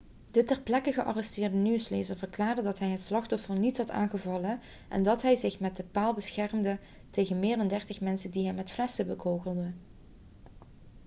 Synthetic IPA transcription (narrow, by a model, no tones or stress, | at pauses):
d̥ətɛrplɛkəɣəʔɑ̰rɛstɪːɹdənyəsleːzəɹvərklaːɹdədɑtɦɛjɦətslɑχtɔfəɹnitɦɑta̰ːnɣəvɑlə | ʔɛ̰ndɑtɦɛjzɪχmɛt̚dəpaːlˠbəsxɛrmdə | tejɣənmɪːɹdɑndɛɹtəχmɛnsədiɦɛmːɛtflɛsəbəkowχəlˠdə